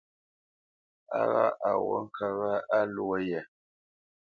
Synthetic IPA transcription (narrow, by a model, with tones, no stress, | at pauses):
a̰˦ɣa˦ʔa˨wɔ˦ŋ̩˦kʰa˦ɣa˦a˦lu˦o˦jɛ˨